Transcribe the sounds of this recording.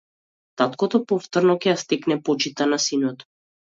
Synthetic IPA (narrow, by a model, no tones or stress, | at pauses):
t̪at̪kɔt̪ɔpɔft̪ɔɾnɔkʲɛjast̪ɛknɛpɔt͡ʃit̪anasinɔt̪